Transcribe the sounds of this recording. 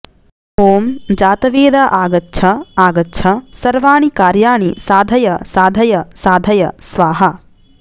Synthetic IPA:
poːmd͡ʒaːt̪ɐʋeːd̪ɐʔaːɡɐtːʃʰɐaːɡɐtːt͡ʃʰʃʰɐsɐɾʋaːɳikaːɾjaːɳisaːd̪ʱɐjɐsaːd̪ʱɐjɐsaːd̪ʱɐjɐsʋaːɦɐ

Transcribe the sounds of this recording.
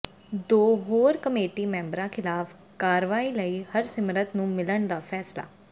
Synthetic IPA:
d̪oːɦoːɾkəmeːʈiːmɛ̃ːmbɾãːkʰɪlaːf | kaːɾʋaːiːləiːhəɾsɪmɾət̪nũːmɪləɳd̪aːpʰɛːsla̰ː

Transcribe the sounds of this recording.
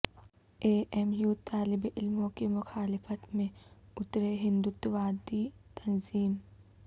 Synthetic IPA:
eːʔɛmjuːt̪aːlɪbʔɪlmõkimʊxaːlɪfət̪mẽʊt̪ɾeɦɪ̃nd̪ʊt̪ʋaːd̪it̪ɐnziːm

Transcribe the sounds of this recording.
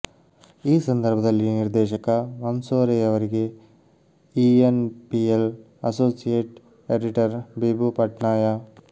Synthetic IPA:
iːsɐnd̪ɐɾbʱɐd̪ɐlːiniɾd̪ɛːʃɐkɐʋɐnsoːɾɛjɐʋɐɾiɡe | ienpiel | ɐsoːsijeːʈ | eɖiʈɐɾbiːbupɐʈɳaːjɐ

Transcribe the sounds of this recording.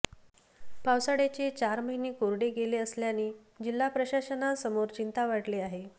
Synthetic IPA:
pawsaɽet͡ɕet͡ɕaɾməɦiniːkoɾɽeɡeleəsljaniː | d͡ʑilːapɾəɕaɕənasəmoɾt͡ɕint̪aʋaʈleːaɦe

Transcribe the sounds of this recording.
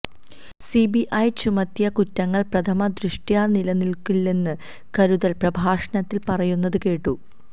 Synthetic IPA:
sibiʔɐjt͡ɕumɐt̪jɐkutːɐŋːɐɭprɐt̪ʰɐmɐd̪ɾiʂʈjaːnilɐnilkilːenːɨ | kɐɾuðɐlprɐbʱaːʂɐɳɐt̪ːilpɐrɐjunːɐðɨke̞ːʈːu

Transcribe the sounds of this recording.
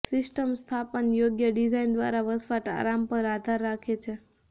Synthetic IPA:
sɪsʈəmst̪ʰapənjoɡjəɖid͡ʒajnd̪ʋa̰ɾaʋəsʋaʈa̰ɾampəɾad̪ʱaɾːakʰet͡ʃʰe

